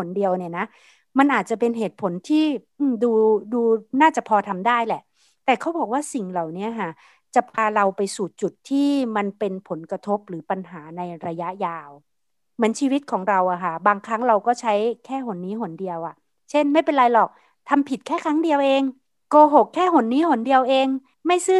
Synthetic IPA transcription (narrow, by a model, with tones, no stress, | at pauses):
o˨˩˦ndi˧əwni˦˥˩ɐna˦˥ | ma˧nʔaː˨˩t̪̚t͡ɕa˨˩pe˧nɦeː˨˩t̪̚pʰo˨˩˦nt̪ʰiː˥˩ʔɯː˧˩mduː˧duː˧naː˥˩t͡ɕa˨˩pʰɔː˧t̪ʰa˧mdaː˥˩jlɛ˨˩ | t̪ɛː˨˩kʰa˦˥wbɔː˨˩k̚waː˥˩si˨˩ŋla˨˩wni˦˥ɐkʰa˥˩ | t͡ɕa˨˩pʰaː˧ɾa˧wpa˧jsuː˨˩t͡ɕu˨˩t̪ʰːiː˥˩ma˧npe˧npʰo˨˩˦nkɾa˧t̪ʰo˦˥p̚ɾɯː˩˦pa˧nɦaː˩˦na˧jɾa˧ja˦˥ʔjaː˧w | mɯ˩˦ənt͡ɕʰiː˧wi˦˥t̪̚kʰɔː˩˦ŋɾa˧wʔa˨˩kʰa˥˩baː˧ŋkʰɾa˦˥ŋɾa˧wkɔː˥˩t͡ɕʰa˦˥jkʰɛː˥˩ɦo˨˩˦nːiː˦˥ɦo˩˦ndi˧əwʔa˨˩ | t͡ɕʰe˥˩nma˥˩jpe˧nlaː˧jlɔː˨˩k̚ | t̪ʰa˧mpʰi˨˩t̪̚kʰɛː˥˩kʰɾa˦˥ŋdi˧əwʔeː˧ŋ | koː˧ɦo˨˩kʰːɛː˥˩ɦo˨˩˦nːiː˦˥ho˨˩˦ndi˧əwʔeː˧ŋ | ma˥˩jsɯː˥˩